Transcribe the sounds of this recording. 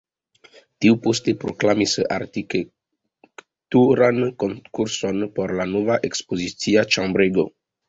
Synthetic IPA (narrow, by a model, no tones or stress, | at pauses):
tiupostepɾo̰klamisa̰ɾtike | k | tuɾankonkuɾso̞npo̞ɾlanovaʔekspozit͡siat͡ʃãmbɾeɡo̰